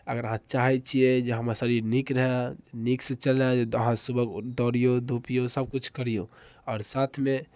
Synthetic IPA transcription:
ə̰ɡəɾəɦãt͡ʃaɦɛt͡ʃʰied͡ʒeɦəməsəɾiɾnikɾəɦɛnikset͡ʃəlɾad͡ʒeəɦãsubəɡd̪ɔɾijod̪ʱupijosəb̚kut͡ʃʰkəɾijo | ɔːɾsat̪ʰme

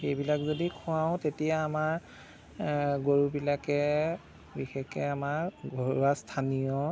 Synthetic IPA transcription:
xejbilakzodikʰũaw̃tetijaːmaɹ | ɡoɹubilakɛ | bixekɛamaɹɡʱoɹuastʰanijɔ

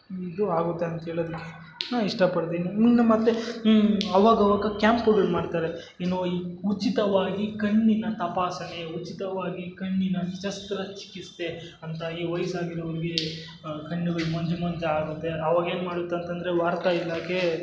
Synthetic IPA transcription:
id̪uaːɡut̪ːeɐnt̪ɐɦeːɭoːd̪ikːe | naːʋiʂʈɐpɐɽd̪eːniunːɐmɐt̪ːe | ɐʋaːɡɐʋaːɡɐkaːmpɐɡɐɭumaːɖt̪aːɾe | eːnoiːut͡ʃit̪ɐʋaːɡikɐɳːinɐt̪ɐpaːsɐneut͡ʃit̪ɐʋaːɡikɐɳːinɐʃɐst̪ɾɐt͡ʃi̥kist̪e̞ | ɐnt̪ɐiːʋɐjsaːɡiɾɐʋɐɾiɡe | kɐɳːuɡɐɭumɐɲd͡ʒɐmɐɲd͡ʒɐaːɡut̪ːe̞ɐʋaːɡɐe̞ːnmaːɽut̪ːɐnt̪ɐnd̪ɐɾeʋaːɾt̪ɐilːaːkʰe

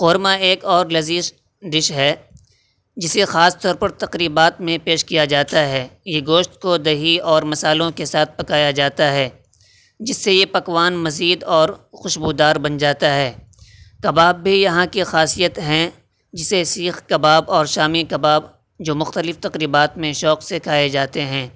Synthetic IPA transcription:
qoːɾmaeːkɔːɾlɐziːʃ | ɖɪʃɦɛ | d͡ʒɪsexaːst̪ɔːɾpɐɾt̪ɐqɾiːbaːt̪mẽpeːʃkijad͡ʒaːt̪aɦɛːjeɡoːʃt̪kod̪ɐɦiɔːɾmɐsaːlõkesaːt̪̚ʰpɐkaːjad͡ʒaːt̪aɦɛː | d͡ʒɪsːejepɐkwaːnmɐziːd̪ɔːɾxʊʃbud̪aːɾbɐnd͡ʒaːt̪aɦɛː | kɐbaːbːʱijɐɦãkixaːsijət̪ɦɛ̃ | d͡ʒɪsesiːxkɐbaːbɔːɾʃaːmikɐbaːb | d͡ʒoːmʊxt̪əlɪft̪ɐqɾiːbaːt̪mẽʃɔːqsekʰaːed͡ʒaːt̪eɦɛ̃ː

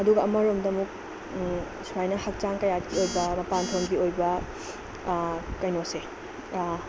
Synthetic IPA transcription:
ɐduɡɐɐmɐɾomdɐmuk̚ | suajnɐhɐk̚t͡ʃaŋkɐjat̚ɡiojbɐmɐpantʰoŋɡiojbɐ | kɐjnose

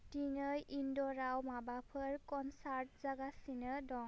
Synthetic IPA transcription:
tiŋɯjʔindɔɾawmabapʰɯɾkɔnsaɾt̚zaɡasinɯdɔŋ

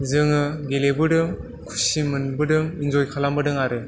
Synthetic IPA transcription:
zɯŋɯɡelebɯdɯŋ | kʰu̥simɯnbɯdɯŋinzojkʰalambɯdɯŋaɾɯ

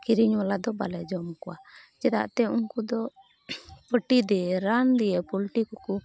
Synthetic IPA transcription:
kiɾiɲwalad̪ɔba̰lɛd͡ʒɔmkɔwad͡ʒɛda̰ʔt̪ɛuŋkud̪ɔ | pəʈid̪ɛɾand̪iɛpɔlʈikɔku

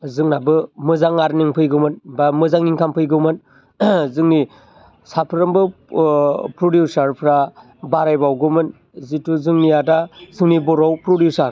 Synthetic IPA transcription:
zɯŋnabɯmɯzaŋaɾniŋpʰɯjɡɯmɯnbamɯzaŋniŋkʰampʰɯjɡɯmɯn | zɯŋni | sapʰɯɾɯmbɯ | pɾodjusaɾpʰɾa | baɾajbawɡɯmɯn | zituzɯŋnijadazɯŋnibɔɾawpɾodusaɾ

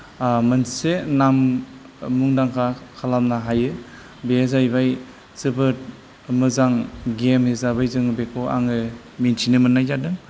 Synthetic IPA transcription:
mɯnsenamː | uŋdaŋkʰakʰalamnaɦajɯ | bezajbaj | sɯbɯt̚ | mɯzaŋɡemhezabajzɯŋbekʰoa̰ŋɯ | mintʰinɯmɯnːajzadɯŋ

